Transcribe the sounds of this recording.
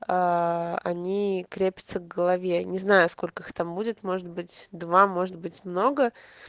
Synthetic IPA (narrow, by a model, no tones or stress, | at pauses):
aɐ̰nʲikɾʲepʲɪ̥t̪səvɡəlˠɐvʲenʲɪznajʊsko̞lʲkəixt̪ambudʲɪt̪mo̞ʐɨd̪̚bɨtʲd̪vamo̞ʐɨt̪̚bɨtʲmno̞ɡə